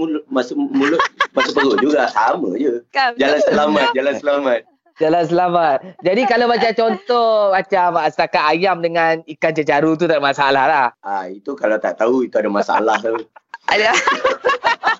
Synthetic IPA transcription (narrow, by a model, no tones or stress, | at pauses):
mulʊmasʊmulʊʔmasupəɡoʔd͡ʒuɡasamə̃d͡ʒəd͡ʒalansəlamat̪̚d͡ʒalansəlamat̪̚ | d͡ʒalans̬əlamat̪̚d͡ʒadikalabat͡ʃat͡ʃɔnt̪ɔhmat͡ʃamasət̪akat̪ajamdəŋanikant͡ʃət͡ʃaɾut̪̬ut̪amasaalahlahait̪ukalat̪aʔt̪auit̪uadamasaa̰laht̪uada